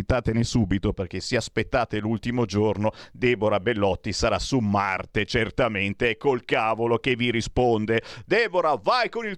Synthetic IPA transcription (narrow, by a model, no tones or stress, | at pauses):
t̪ːaːt̪enesuːbit̪operk̟eseaspet̪ːaːt̪elult̪imod͡ʒornod̪ɛːboɾabelːɔt̪ːisaɾasumart̪et͡ʃert̪ament̪eɛkːolkaːvolokevːiɾispond̪ed̪ɛːboɾavajkonil